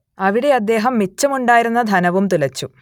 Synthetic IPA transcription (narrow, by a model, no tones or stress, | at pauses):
ɐʋiɽe̞ɐd̪ːe̞ːɦɐmːit͡ɕːɐmuɳɖaːjiɾunːɐd̪ʱɐnɐʋumt̪ulɐt͡ɕːu